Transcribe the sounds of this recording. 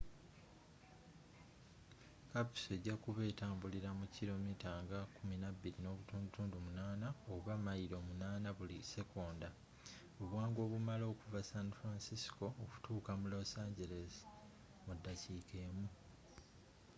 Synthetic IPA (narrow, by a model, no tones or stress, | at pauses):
kapu̥se̞ːɟːakuβe̞ːtaːmbuliɾamuciɾo̞mitaːŋɡakuminabːilino̞ːβutuːndutuːndumunaːnaoβamaiɾo̞ːmunaːnaβulise̞ko̞ːnda | oβwaːŋɡo̞ːβumalo̞ːkuvasanfɾansisi̥ko̞ːku̥tʰuːkamulosaːɲɟe̞le̞zi̥ | mudːaciːke̞ːmu